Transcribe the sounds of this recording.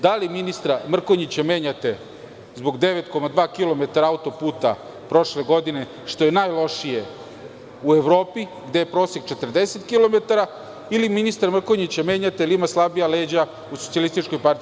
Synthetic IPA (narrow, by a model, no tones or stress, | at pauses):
d̪aliminist̪ɾamr̩koɲit͡ɕame̞ːɲat̪e̞ | zbo̞ɡd̪e̞ʋet̪ko̞mad̪ʋaːkilo̞me̞t̪aɾaaut̪o̞puːt̪a̰ | pɾo̞ʃle̞ɡo̞d̪ine̞ | ʃt̪o̞jenaːjlˠo̞ʃije | ueʋɾo̞ːpiɡd̪e̞jepɾoːseɡt͡ʃet̪r̩d̪ese̞t̪kilo̞met̪aɾa | iliminist̪aɾmr̩koɲit͡ɕame̞ːɲat̪eilimaslˠabijaleːd͡ʑa | usosialist̪it͡ʃko̞jpaɾt̪ii